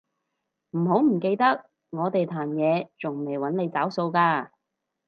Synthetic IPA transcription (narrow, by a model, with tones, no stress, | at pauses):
m̩˨˩ɦo˨˥wm̩˨˩ke˧jt̪ɐ˥k̚ | ŋɔː˨˧t̪e˨jt̪ʰaː˨˩njɛː˨˧t͡sʊ˨˩ŋme˨˩jwɐ˨˥nle˨˧jt͡saː˨˥wso˧wkaː˧